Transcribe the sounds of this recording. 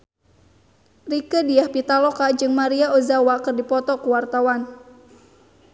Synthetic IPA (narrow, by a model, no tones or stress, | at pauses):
rikədiahpit̪alɔkad͡ʒɨŋmaɾiaozawakɨrdipɔt̪ɔkuwart̪awan